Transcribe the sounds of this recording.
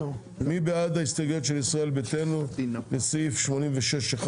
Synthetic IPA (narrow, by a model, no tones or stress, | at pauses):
mibead̪aist̪aɡjot̪ʃelisʁae̞lbet̪enubesfʃmo̞nimveʃeʃeχ